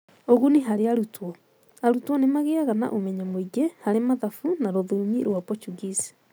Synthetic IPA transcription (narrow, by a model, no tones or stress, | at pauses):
oɣuniɦaɾeaɾutwɔ | aɾutwɔnemaɣeaɣana̰ʔomɛɲamoiɡehaɾemaðafunaɾoðuɲiɾwapɔt͡ʃuɣisi̥